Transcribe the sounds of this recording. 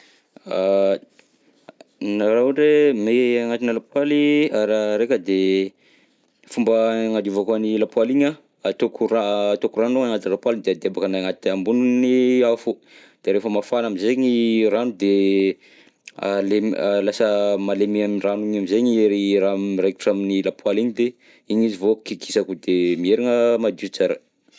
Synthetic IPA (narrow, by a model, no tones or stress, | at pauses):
a | naɾauɖ͡ʐemeaŋat̪inəlapwaliaɾaɾekʲəd̪e | fumbəŋad̪iuvakanilapwaliɲa | t̪okʰurat̪okuranoaŋat̪ilapwalid̪ead̪eabakənaŋat̪ambununiafu | d̪̥eɾefəmafanamizeɲiranud̪e | a̰lemlasəmalemiamranuɲamizeɲieɾiraireki̥ʈ͡ʂaminilapualiɲid̪e | iɲizivokiki̥sakud̪emieɾiŋəmad̪ust͡saɾə̰